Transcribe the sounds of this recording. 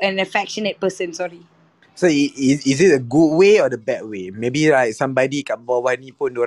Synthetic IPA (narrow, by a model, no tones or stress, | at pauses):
ə̃nəfɛkʃənət̚pəsə̃nsɔɹi | soiiisɪt̚əɡud̚weɔdəbɛt̚wemebilajk̚sãmbadikaʔ̚bɔwanĩpũndoɾa